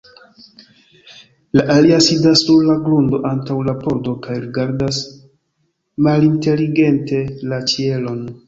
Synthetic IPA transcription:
laʔaliasidasːuɾlaɡlundo̞ʔantawlapo̞ɾdo̞kajɾiɡaɾdas | malinte̞liɡe̞nte̞lat͡ʃie̞lo̞n

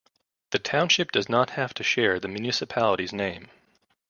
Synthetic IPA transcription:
ðɨtʰãʊ̃nʃɨp̚d̥ʌznət̚hæftʰɨʃɛɹðɨmjʉnɪsɨpʰælˠəɾiznẽɪ̃m

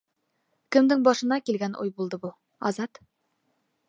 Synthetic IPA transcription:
kɘ̆md̪ɘŋbɒʃɤ̆nɑkilɡænʔṵjbulˠd̪ɤbu | ɒzɑt̪

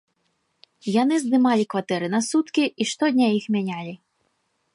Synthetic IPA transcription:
janɨzd̪ɨmalʲikvat̪ɛɾɨnɐsut̪kʲiiʂt̪ɔd̪ʲnʲajixmʲanʲalʲi

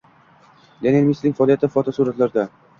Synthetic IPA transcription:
d̪eneɾmislɪŋʲfɒlˠijat̪ɪfɒt̪ʰɒsuɾat̪laɾd̪a

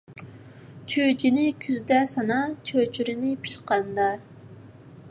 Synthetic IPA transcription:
t͡ʃʰød͡ʒinɪkʲʰyzd̪ɛsɑnɑt͡ʃʰøt͡ʃʰyɾɪnɪpʰi̥ʃqɑnd̪ɑ

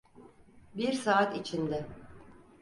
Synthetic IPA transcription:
biɾsaːt̪it͡ʃʰind̪ɛ

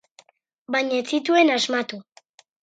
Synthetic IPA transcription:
baɲaet͡sit̪uenazmat̪u

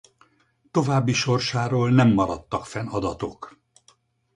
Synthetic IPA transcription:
t̪o̞vaːbːiʃo̞rʃaːɾoːlnɛmːɒɾɒt̪ːɒkfɛnɒd̪ɒt̪o̞k

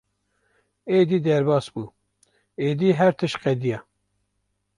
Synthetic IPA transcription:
eːd̪iːd̪ɛɾbɑːsbuː | eːd̪iːɦɛɾt̪ʰɨʃqɛd̪ijɑ

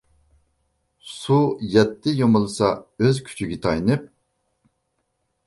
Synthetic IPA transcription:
sujɛt̪ːɪjomɨlˠɨsɑøzkʲʰy̥t͡ʃʰyɡʲit̪ʰɑjnɨp̚

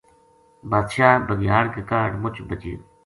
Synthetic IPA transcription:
baːd̪ʃaːbəɡjaːɾkəkaːɖmʊt͡ʃʰbət͡ʃḭː

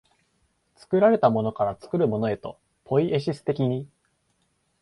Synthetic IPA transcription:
t͡sɨ̥kɯ̟ɾaɾe̞t̪amo̞no̞kaɾat͡sɨ̥kɯ̟ɾɯ̟mo̞no̞e̞t̪o̞̰ | pʰo̞iʔe̞ɕisɨ̥t̪e̞kʲiɲ̟i

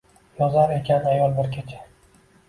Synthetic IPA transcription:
jɒzaɾe̞kʲʰanajɒlˠbɪɾkʲʰet͡ʃʰḁ

